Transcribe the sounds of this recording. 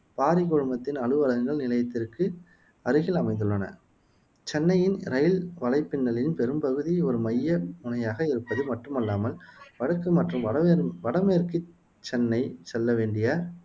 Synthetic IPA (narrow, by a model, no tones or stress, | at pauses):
paːɾɪkɔɻɯmbɐt̪ːɪnɐɻɯʋɐlɐŋɡɐɭnɪlɐjɐt̪ːɪrkɯ | ɐɾɯɣɪlɐmɐɪnd̪ɯɭːɐnɐ̰ | t͡ʃɛnːɐjɪnɾɐjɪlʋɐɭɐɪpːɪnːɐɭɪnpɛɾɯmpɐɣɯðiɔɾɯmɐjːɐmʊnɐjaːɣɐɪɾɯpːɐðɯmɐʈrɯmɐlːaːmɐlʋɐɻɐkːɯmɐʈrɯmɐɐʋɐɽɐmeːɾkɯ | t͡ʃːɛnːɐɪsɛlːɐʋeːɳɖɪjaː